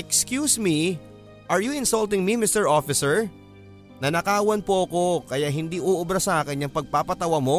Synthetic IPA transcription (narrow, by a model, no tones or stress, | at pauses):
ɛkskjuːsmi | ʔɐɹjʊɪnsɐlt̪ɪŋmimɪst̪ɛɹʔofɪsɛɹ | nɐnɐkaːwɐnpoʔɐko̞kɐjaʔɦɪnd̪iʔoːʔʊbɾɐsɐʔaːkɪnɐŋpɐɡ̚paːpɐt̪ɐwɐmo̞